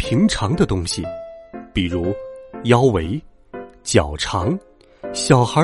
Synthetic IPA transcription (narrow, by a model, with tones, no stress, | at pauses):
pʰi˧˥ŋʈ͡ʂʰɑ˧˥ŋd̪ə˧t̪ʊ˥ŋɕḭ˨pi˨˩ɻu˧˥jɑ˥ʊwe˧˥ɪ | t͡ɕjɑ˨˩ʊʈ͡ʂʰɑ˧˥ŋ | ɕjɑ˨˩ʊxə˞˧˥